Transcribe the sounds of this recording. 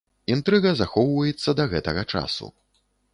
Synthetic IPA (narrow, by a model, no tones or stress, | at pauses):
int̪ɾɨɣɐzaxɔwvɐjɛt̪sːɐd̪ɐɣɛt̪ɐɣɐt͡ʂa̰sṵ